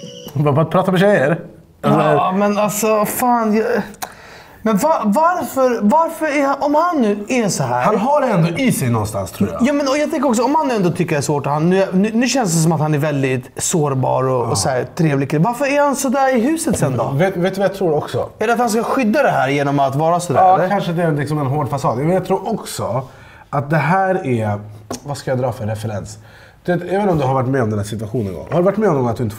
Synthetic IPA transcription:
vbat̪̚pʰɾɑːt̪amɛɕɛjəɾ | ɛlːəmɛnalsɔfaːnjɑ | mɛnvavaɾfœɾvaɾfəɾɛɾaʔɔmhanːʉ̟ːɛʂɔɦæːɾhanɦaɾɛɛnd̪oʔɪsɛjnɔ̰nst̪a̰nst̪ʰɾuːajɑːmɛnɔjɑt̪ʰɛŋkəɾɔks̬ɔɔmhanːʉːɛnd̪oːt̪ʰʏkːəɾɛʂvoːʈɔt̪hanːʉ̟ːnʉnʉ̟ːɕɛnsd̪ɛs̬ɔmat̪hanæɾvɛld̪ɪt̪soːɾbɑ̰ːɾɔɔsɔæːɾt̪ʰɾeːvlɪɡkɪvaɾfəɾæɾhansɔd̪æːɾɪɦʉ̟ːsət̪sɛnd̪ɔ̰vet̪veːt̪ːɵvajat̪ʰɾuːɖɔksɔ̰ɛlɛɾat̪hanskaɧʏd̪ːad̪ɛɦæːɾjeːnɔmat̪vɑːɾasɔd̪æːɾkʰanʂəd̪ɛæɾɛnlɪksɔmɛnɦoːɖfasɑːd̪mɛnjat̪ʰɾuːɾʔɔksɔ | at̪̚d̪ɛɦæːɾɛɾvaskajad̪ɾɑːfœɾːɛfɛɾɛns | d̪̥veːt̪aɛveəːnɔmd̪ɵɦaɾvaʈ̬ːmɛːɔmd̪ɛnæːsɪt̪ʉaɧuːnɛnɡɔ̰ŋhaɾɵvaʈːmɛːɔmnɔnat̪̚d̪ɵɪnt̪ə

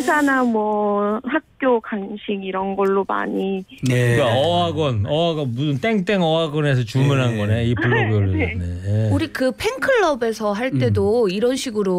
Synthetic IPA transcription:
sʰanamwʌhak̚k͈jokaŋɕʰiɡiɾʌnɡʌɭːoma̰ɲi | kɯkaʌaɡʌnʌaɡʌbusɯnt͈eŋt͈eŋʌaɡʌnesʰʌt͡ɕumunɦanɡʌneipuɭːoɡʌɭːoneneuɾikɯpʰeŋkʰɯɭːʌbe̞sʰʌɦaɭt͈e̞doiɾʌnɕʰiɡɯɾo

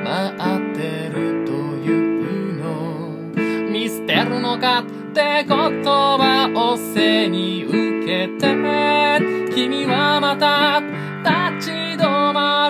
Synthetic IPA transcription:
maʔat̪ːeɾɯ̟t̪ojɯɯno | mʲisɨ̥t̪e̞ɾɯ̟no̞kat̪ːe̞ko̞t̪obaʔoseɲ̟iɯke̞t̪emekʲimʲiβamat̪a | t̪at͡ɕi | d̪oma

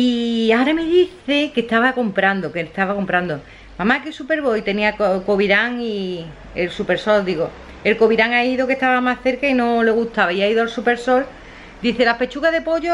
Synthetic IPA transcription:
iaɾame̞ðiθe̞ke̞t̪aβako̞mpɾand̪oket̪aβako̞mpɾand̪o | mamakesupe̞ɾβo̞jt̪e̞niakoko̞βiɾaŋi | elsupe̞ɾso̞ld̪iɣo̞ | e̞lko̞βiɾaŋaiðo̞keht̪aβamasθe̞ɾkaino̞le̞ɣut̪aβaiaiðoalsupe̞ɾso̞l | d̪iθelahpe̞t͡ʃuɣaðe̞po̞ʎo

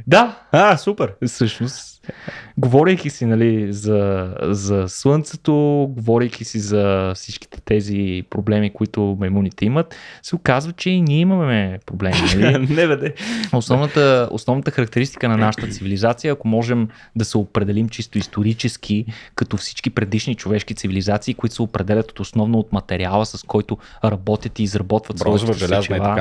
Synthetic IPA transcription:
d̪aasupɛɾfsɤʃnost̪ | ɡovɔɾɛjkʲisinɐlizɐzɐslˠɤnt̪sɛt̪oɡovɔɾʲɛjk̟ʲisizɐfsit͡ʃki̥t̪ɛ̥t̪ɛzipɾoblɛmikʊit̪ʊmɐmunit̪ɛimət̪sɛokazvət͡ʃɛiniɛimɐɛpɾoblɛminɐlinɛvɛd̪ɛosnɔvnət̪əo̰snɔvnət̪əxɐɾɐk̚t̪ɛɾist̪i̥kənɐnaʃə̥t̪ət̪sivilizat̪sijəɐkomɔʒɛm | d̪ɐsɛopɾɛd̪ɛlimt͡ʃist̪oist̪oɾit͡ʃɛskʰikɐt̪ɔfsi̥t͡ʃkipɾɛd̪iʃnit͡ʃovɛʃkit̪sivilizat̪siːkoʊit̪o̥sɛopɾɛd̪ɛlʲɐt̪o̥t̪osnɔvnoot̪mɐt̪ɛɾialˠəsɐskʰɔjt̪ʊ | ɾɐbɔt̪ʲət̪iːzɾɐbɔt̪vəɐt̪sɔiɛlʲɛazt͡ʃɛvˠaa

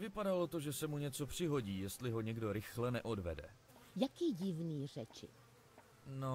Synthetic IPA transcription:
vɪpadalo̞t̪o̞ʒɛsɛmuɲɛt͡so̞pr̝̥ɪɦo̞ɟiːjɛst̪lɪɦo̞ɲɛɡdo̞ɾɪxlɛnɛʔodvɛdɛ̰ | jakiːɟɪvniːr̝ɛt͡ʃɪ̰ | no

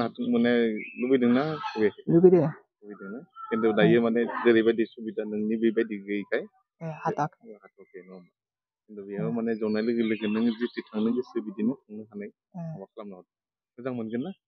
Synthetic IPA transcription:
hatɯk̚mɯnalubidɯŋnawelubide | lubidɯŋnakendɔdajɯmanezɯɾibajdisubidanɯŋnibibajdiɡɯjkʰaj | hatakhatʰɔk̚enɔm | kendɔbijaɯmanezawnajlɯɡɯlɯɡɯnɯŋzititʰaŋnɯŋdisɯbidinɯɯŋnɯɦanaj | wakʰlamnaɔt | ɯzaŋmɯnɡɯnːa

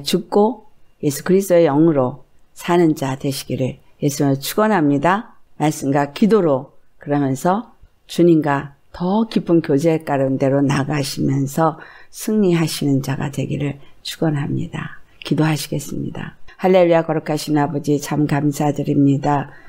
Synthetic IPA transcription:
t͡ɕuk̚k͈oje̞sʰu̥kɯɾisʰt͈oe̞jʌŋɯɾo | sʰanɯnd͡ʑadwe̞ɕʰi̥ɡiɾɯɭ | je̞sʰɯmɯɭt͡ɕʰuɡʌnɦamɲidamaɭs͈ɯmɡwakidoɾokɯɾʌmjʌnsʰʌ | t͡ɕuɲimɡatʌkipʰːɯnkjod͡ʑe̞k͈aɾɯnde̞ɾonaɡaɕʰimjʌnsʰʌsʰɯŋɲiɦaɕʰinɯnd͡ʑaɡa̰twe̞ɡiɾɯɭt͡ɕʰuɡ̥ʌnɦamɲḭda̰ | kidoɦaɕʰiɡe̞s͈ɯmɲḭda̰haɭːe̞ɭijakʌɾɯkʰaɕʰinnabʌd͡ʑit͡ɕʰamkamsʰadɯɾimɲida

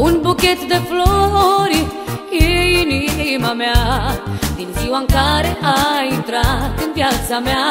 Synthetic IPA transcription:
unbuket̪d̪eflɔɾiinimamea | d̪inziwaŋkaɾeʔaint̪ɾat̪impjat̪samea

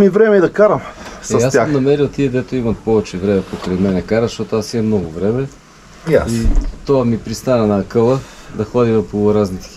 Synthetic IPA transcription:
mivɾɛmɛid̪ɐkaɾɐmsɛsjasʲanɐmɛɾilt̪iɛd̪ɛt̪oimɐt̪̚pɔvɛt͡ʃɛvɾɛmɛpokɾɐjmɛnɛkaɾəzʃt̪ɔt̪oasiɛmnɔɡʊvɾɛmɛ | jait̪oamipɾist̪anɐnɐkɤlˠə | d̪ɐxɔd̪ivɐpoɾaznit̪ɛ̥

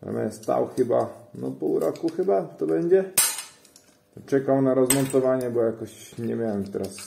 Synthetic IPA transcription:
a̰mʲɛ̰st̪a̰wxɘba̰nɔ̰puwɾɔkuxɘbat̪ɔbɛɲd͡ʑɛ | t͡ʂɛkawnaɾɔzmɔnt̪ɔvaɲɛbɔjakɔɕɲɛmʲjawɛmt̪ɛ̰ɾas

